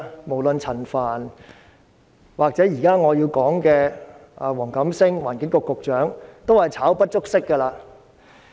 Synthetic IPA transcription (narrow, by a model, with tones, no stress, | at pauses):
mo˨˩wlɵ˧nt͡sʰɐ˨˩nfaː˨˩n | waː˨k̚t͡sɛː˨˥jiː˨˩kaː˥ŋɔː˨˧ji˧wkɔː˨˥ŋkɛː˧a˨˧wɔː˨˩ŋkɐ˨˥msɪ˥ŋwa̰ː˨˩nkɪ˨˥ŋkɔ˧kːʊ˨k̚t͡ʃœː˨˥ŋt̪o˥whɐ˨jt͡sʰaː˨˥wpɐ˥t̚t͡ʃʊ˥k̚sɪ˥kːɐ˧laː˧